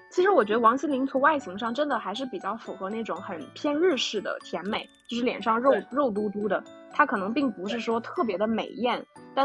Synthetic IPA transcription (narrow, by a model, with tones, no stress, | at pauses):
t͡ɕʰi˧˥ʂɻ̩˧˥wɔ˨˩t͡ɕɥɛ˧˥d̪ə˧wɑ˧˥ŋɕi˥nli˧˥nt͡sʰʊ˧˥ŋwa˥˩ɪɕʰi˧˥ŋʂɑ˥˩ŋʈ͡ʂə˥nd̪ə˨xa˧˥ɪʂ̬ɻ̩˥˩pi˨˩t͡ɕjɑ˥˩ʊfu˨˩xɤ˧˥na˥˩ɪʈ͡ʂʊ˧˥ŋxə˨˩npʰjɛ˥nɻɻ̩˥˧ʂɻ̩˥˩d̪ə̰˩t̪ʰjɛ˧˥nme˨˩ɪt͡ɕjo˥˧ʊʂɻ̩˥˩ljɛ̰˨˩nʂɑ˥˧ŋɻo˥˧ʊɻo˥˩ʊt̪̬u˥t̪u˥d̪ə˨ | t̪ʰa˥kʰɤ˨˩nɤ˧˥ŋpi˥˩ŋpu˧˥ʂ̬ɻ̩˥˩ʂwɔ˥t̪ʰɤ˥˩p̬jɛ˧˥d̪ə˧mḛ˨˩ɪjɛ˥˩nt̪a˥˩